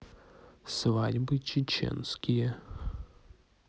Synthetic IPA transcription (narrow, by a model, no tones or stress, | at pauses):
svadʲbɨt͡ɕɪt͡ɕḛnskʲɪjə